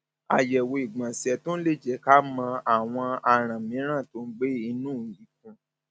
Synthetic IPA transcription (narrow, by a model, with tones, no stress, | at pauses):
a̰˨jɛ˨wo˧i˨ɡ͡bã˨sɛ˧˦to˦n̩˦le˦˨d͡ʒɛ˨˦ka˦mã˧a˨w̃ɔ̃˧a˧ɾ̃ã˨mĩ˨˦ɾ̃ã˦˨to˨˦ɡ͡be˦i˧nũ˦˨i˨˦k̚ũ˧